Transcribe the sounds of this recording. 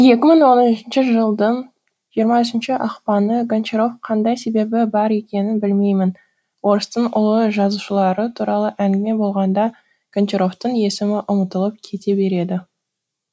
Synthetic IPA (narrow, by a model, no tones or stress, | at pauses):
je̞kʲɪməɴwo̞nənɪʃɪnʃɪʒəlˠd̪ən | ʒijəɾmɑʏsɪnʃɪʔɑqpɑnəɡont͡ʃeɾo̞fqʰɑnd̪ɑjse̞be̞bɪbɑɾe̞kʲe̞nɪnbɪlme̞jmɪn | wo̞ɾəst̪əɴʊ̰lˠəʒɑzuʃəlˠɑɾət̪ʰuɾɑlˠəʔæŋɡʲɪme̞bo̞lˠʁɑnd̪ɑ | ɡ̥ent͡ʃeɾo̞ft̪əɴje̞sɪmɪʔʊmət̪əlˠəp̚kʲʰe̞t̪e̞be̞ɾe̞d̪ɪ